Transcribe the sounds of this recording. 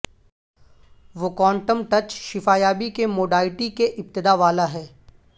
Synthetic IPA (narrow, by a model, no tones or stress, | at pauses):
ʋokɔ̃ːɳʈəmʈɐt͡ʃʃɪfaːjaːbikemoːɖaːlɪʈikeʔɪp̚t̪ɪd̪aːʋaːlaɦɛː